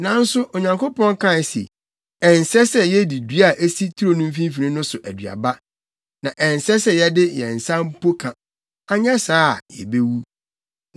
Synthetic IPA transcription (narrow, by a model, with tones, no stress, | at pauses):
nã˨n̩˦sʊ˦ʔo˨ɲã˨ŋko˦pɔ̃˦ŋ˦kʰã˦˨sḛ˨ | ɛ̃˨n˨sɛ˦sɛ˦jɛ˦di˨dɥa˨ʔe˦si˦tʰu˦ɾo˨nũ˦m̩˦f̬ĩ˦m˦fi˨ĩ˦nʊ̃˦sʊ˨ʔæ˨dɥa̰˨ba˦ | nã˨ʔɛ̃˨n˨sɛ˦sɛ˦jɛ˦dɪ˦jɛ̰̃˨n̩˨sa˦m̩˦pʰo˦kʰã˨ | a˦ɲɛ̃˦saː˦˨jɛ̰˨be˦wu˦